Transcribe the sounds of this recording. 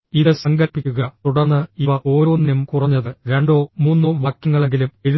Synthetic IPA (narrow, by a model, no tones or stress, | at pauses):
iðɨsɐŋɡɐlpːikʲːuɣɐt̪uɽɐrnːɨiʋɐʔo̞ːɾo̞ːnːjemkurɐɲːɐðɨɾe̞ɳɖo̞ːmuːnːoːʋaːkjɐŋːɐɭe̞ŋɡilume̞ɾu